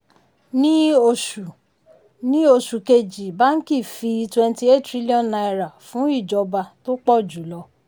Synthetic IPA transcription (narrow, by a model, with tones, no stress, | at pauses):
nĩ˦o˧ʃu˨ | nĩ˦o˧ʃu˨ke˧d͡ʒi˨ba˨˦n̩˦ki˦˨fi˧twɛ̃˧n˦ti˧˦e˦tɾi˦li˦ɔ̃˦˨nna˧jɾa˨fũ˨˦i˦˨d͡ʒɔ˧ba˧to˦k͡pɔ˦˨d͡ʒu˨˦lɔ˧